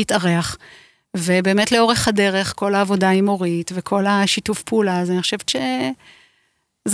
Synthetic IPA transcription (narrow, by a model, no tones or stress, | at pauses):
itaʁeaχ | ve̞be̞ːmetleo̞ʁe̞χhade̞ʁe̞χko̞laːvo̞daimo̞ʁitvekʰo̞laʃitufpulazaniχoʃeveʃe | z